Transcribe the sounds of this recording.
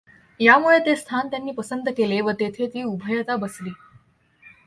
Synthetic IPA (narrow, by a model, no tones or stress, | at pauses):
jamuɭet̪est̪ʰant̪janːiːpəsənd̪əkeleʋət̪et̪ʰet̪iːubʱəjət̪abəsliː